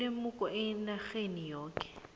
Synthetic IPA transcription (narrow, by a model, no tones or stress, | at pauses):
emʊkʼɔʔɪnaχenijoːkʼɛ̥